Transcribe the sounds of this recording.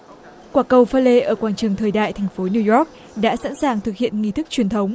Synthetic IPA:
kwaː˧˩kə˨˧˩wfaː˧le˧ʔəː˧˩kwaː˧˩nt͡ɕɨ˨˩əŋt̪ʰəː˨˩jɗa̰ː˧˨jt̪ʰɛ˨˩jŋ̟fo˨˦ni˧wjɔ˦˥k̚ | ɗa̰ː˧˥sa̰˧˥nsaː˨˩ŋt̪ʰɨ˨˩k̚hḭ˧˨ənŋi˧t̪ʰɨ˦˥k̚t͡ɕwi˨˩ənt̪ʰə˨˦wŋ͡m

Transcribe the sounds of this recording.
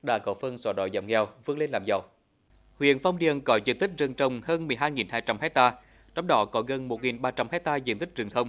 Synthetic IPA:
ɗa̰ː˧˥kɔ˨˦fə˧nsɔː˨˩ɗɔ̰˧˨˦jza̰˧˩wŋɛ˧wvɨ˨˦˥ək̚le˧nlaː˨˩mzə˨˩w | hwḭ˧˨ənfa˧wŋ͡mɗi˨ənkɔ˨˦zḭ˧˨ənt̪i˦˥k̚zɨ˨˩ŋt͡ɕə˨˩wŋ͡mhəː˧nmɨ˨˩əjɦaː˧jŋi˨˩nhaː˧jt͡ɕa˧mhɛ˦˥k̚t̪aː˧ | t͡ɕɔ˧wŋ͡mɗɔ˨˦kɔ˨˦ɣə˨˧˩nmo˨˩t̚ŋi˨˩nɓaː˧t͡ɕa˧mhɛ˦˥t̚t̪aː˧zḭ˧˨ənt̪ï˦˥k̟̚t͡ɕɨ˨˩əŋt̪ʰə˧wŋ͡m

